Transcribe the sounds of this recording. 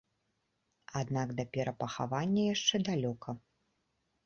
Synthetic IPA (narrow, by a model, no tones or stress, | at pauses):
ad̪naɡd̪ɐpʲɛɾɐpɐxa̰vanʲːɐjaʂt͡ʂɛd̪alʲɔkʰɐ